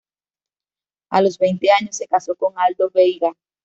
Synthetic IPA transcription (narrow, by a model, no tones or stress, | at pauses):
a̰lozβejnt̪eaɲosːe̞kasokoŋald̪oβejɣa